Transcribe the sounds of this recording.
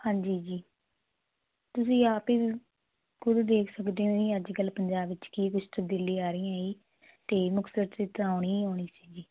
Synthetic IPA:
hãːɲd͡ʒiːd͡ʒiː | t̪ʊsĩːaːpɪ | kʊd̪d̪eːkʰsəkd̪eːoːiːəd͡ʒkəlpəɲd͡ʒaːbʋɪt͡ʃkiːɡʊsʈəbd̪ɪliːaːɾiːãːiː | t̪eːmʊksəɾsit̪əaːʊɳiːɦoːɳ̃iːsi̥ːd͡ʒiː

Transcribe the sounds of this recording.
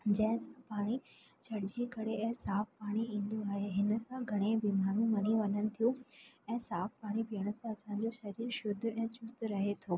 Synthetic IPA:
d͡ʑɐ̃ɦɪ̃sãpaːɽ̃i | t͡ɕʰɐɽ̤ɪd͡ʑikɐɽeɛ̃ːsaːfpaːɽ̃iĩːn̆d̪oaːɦeɦɪnə̆sãɡʱɐɽ̃ebiːmaːɾũmɐɽiʋɐnənɪ̆t̪ʰiju | ɛ̃ːsaːfpaːɽ̃ipiəɽ̃̆sãɐsãɲ̆d͡ʑoʃɐɾiːɾʃʊd̪ʱɛ̃ːt͡ɕʊst̪ɾɐɦet̪ʰoː

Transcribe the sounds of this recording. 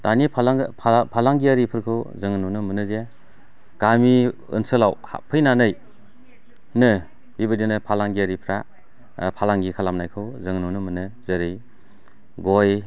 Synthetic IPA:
tanipʰalaŋʰpʰalaŋɡiaɾipʰɯɾkʰɯwzɯŋɯnunɯmɯnɯzija | ɡ̥ami | ɯ̰nsɯlawha̰pʰɯjnanɯj | nɯ | bibɯdinɯpʰalaŋɡiaɾipʰɾa | pʰalaŋɡikʰalamnajkʰɯzɯŋɯnunɯmɯnɯzɐɾɯj | ɡɔj

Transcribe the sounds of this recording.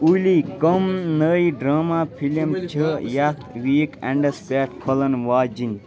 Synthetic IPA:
ulikəmnəjɖɾaːmapʰilimt͡ʃʰɨjak̪ | ʋiːkɛ̰̃ɳɖɐspaːʈkʰɐlɐnʋaːd͡ʒin

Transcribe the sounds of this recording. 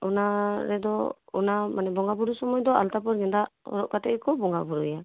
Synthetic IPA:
ɔnaɾɛd̪ɔɔnamanɛbɔŋɡabuɾusɔmɔjd̪ɔa̰lt̪ap̬ɔɾɡɛnd̪aɔ̰ɾɔʔkat̪ɛʔkɔbɔŋɡabuɾuja

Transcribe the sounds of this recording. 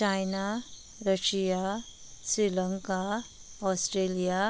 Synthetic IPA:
t͡ʃajna | ɾəɕija | sɾiləŋka | ɔsʈɾelija

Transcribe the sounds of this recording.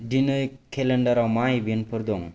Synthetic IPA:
ɖinɯjkʰelɛɳɖaɾawmajbinpʰɯɾd̪ɔŋ

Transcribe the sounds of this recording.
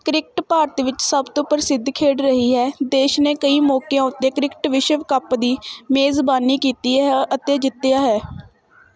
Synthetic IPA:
kɾɪk̚ʈpaːɾt̪ʋɪt͡ʃsəbt̪õːpəɾsɪd̪kʰeːɖɾəɦiːɦɛːd̪eːʃneːkəiːmɔːkejãːʊt̪ːeːkɾɪkəʈʋɪʃəʋkəpd̪iːmeːzbaːniːkiːt̪iːɦɛət̪eːd͡ʒɪt̪ːejaːɦɛː

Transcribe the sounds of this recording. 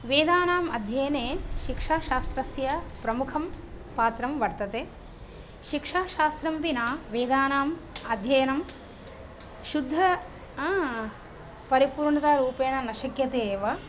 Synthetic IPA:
ʋeːd̪aːnaːmɐd̪ʱjɐjɐneːʃikʂaːʃaːst̪ɾɐsjɐpɾɐmukʰɐmpaːt̪ɾɐmʋɐɾt̪ɐt̪eː | ʃikʂaːʃaːst̪ɾɐmpinaːʋeːd̪aːnaːmɐd̪ʱjɐjɐnɐm | ʃud̪ʱːɐ | pɐɾipuːɾɳɐd̪ɐɾuːpeːnɐnɐʃɐkjɐt̪eːʋɐ

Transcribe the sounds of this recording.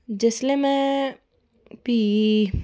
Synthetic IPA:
d͡ʒeslemɛ̃ | pi

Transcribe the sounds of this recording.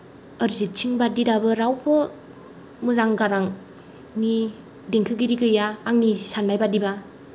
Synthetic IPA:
əɾzit̚t͡ʃʰiŋbadidabɯɾawbɯ | muzaŋɡaɾaŋ | ni | deŋkʰɯɡiɾiɡɯjaːŋnisanːajbadiba

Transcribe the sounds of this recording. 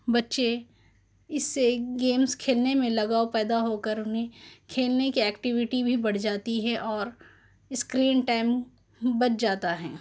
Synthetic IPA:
bɐtːʃe | ɪsːeɡeːmskʰeːlnemẽlɐɡaːopɛːd̪aɦokəɾʊnɦẽkʰeːlnekiɛːkʈɪʋɪʈibʱibɐɽ̤d͡ʒaːt̪iɦɛ̃ʔɔːɾ | ɪskɾiːnʈaːɪm | bɐt͡ʃd͡ʒaːt̪aɦɛ̰̃ː

